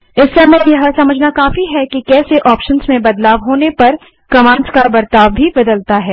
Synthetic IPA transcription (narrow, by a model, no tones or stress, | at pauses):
ɪsːɐmɛjɐɦəsɐməd͡ʒʱnakaːfiɦɛkikɛːseʔɔːpʃənzmẽbɐd̪laːʋɦoːnepɐɾ | kɐmãːnskabɐɾt̪aːʋbʱibɐd̪əlt̪aɦɛː